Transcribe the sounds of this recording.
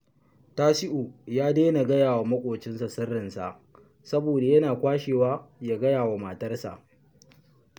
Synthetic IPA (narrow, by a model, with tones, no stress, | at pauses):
taː˦sɪ˦ʔu˨jaː˦deː˦na˨ɡɐ˦jaː˨wa˨mɐ˦kʷʼoː˨t͡ʃɪ˦nsa˨sɪ˦rːɪ˨nsa̰˨ʔ | sɐ˦boː˨da˨jɐ˦naː˨kʷaː˦ʃeː˨waː˦jaː˨ɡɐ˦jaː˨wa˨ma˨tɐ˦rsa̰˨ʔ